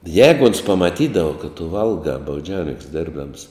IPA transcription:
ˈjɛːɡʊ oːns pɐmɐˈtʲiːdɐʋɐ kɐt tʊ ˈʋɐlˠɡɑː bɐʊˈd͡ʒʲɛʊnʲɪŋks ˈdʲeːrbdɐms

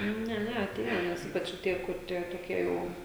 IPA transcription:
ˈnʲɛ ˈnʲɛ ɐˈtʲeːjɛ ˈnʲɛs ˈiːpɐt͡ʃ oː ˈtʲiɛ kʊr ˈtʲiɛ toːˈkʲiɛ ˈjɛʊ

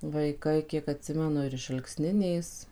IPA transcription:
ʋɐɪˈkɐɪ ˈkʲiɛk ɐtʲˈsʲɪmʲɛnʊ ɪr ɪʃ ɐlˠkˈsʲnʲɪnʲeːs

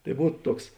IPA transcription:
tɐɪ ˈbuːt ˈtuɔks

